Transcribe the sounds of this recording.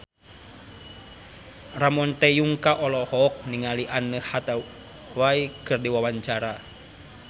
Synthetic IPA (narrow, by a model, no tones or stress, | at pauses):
ramɔnt̪ɛjuŋkaʔɔlɔhɔk̚niŋaliʔanːəhat̪a | waikɨrdiwawaɲt͡ʃaɾa